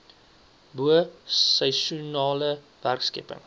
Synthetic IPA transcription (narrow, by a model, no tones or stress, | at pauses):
buəsəjʃunɑːlə | værkskɛ̰pə̰ŋ